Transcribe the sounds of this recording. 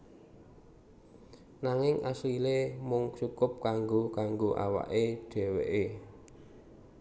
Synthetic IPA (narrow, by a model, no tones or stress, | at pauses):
naŋɪŋʔasilemʊŋsukʊp̚kaŋɡokaŋɡoʔa̰wa̰ʔeɖ̥ɛ̤wḛʔe